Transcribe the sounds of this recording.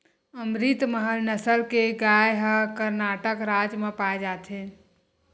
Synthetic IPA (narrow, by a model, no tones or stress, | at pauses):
əmɾit̪məɦəlnəsəlkeɡajɦəkəɾnaʈəkɾad͡ʒmepaed͡ʒat̪ʰɦe